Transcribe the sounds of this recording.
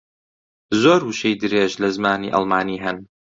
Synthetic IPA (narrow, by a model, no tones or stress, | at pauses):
zoːɾhuʃejd̪ɨɾeːʒlɐzmaːnḭːʔɑ̰lmaːniːɦɐn